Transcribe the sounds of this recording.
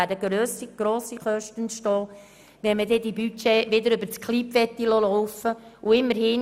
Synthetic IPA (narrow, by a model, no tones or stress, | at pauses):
ædəɡɾøːsiɡ̥ɾoːsiχœʃtənʃtɔː | ʋɛnməd̪ɛd̪ibyt͡ʃeːʋɪd̪əɾʏbəɾt͡skχlipfɛt̪ːilɔlɔʊfəuɪmːəɾhɪn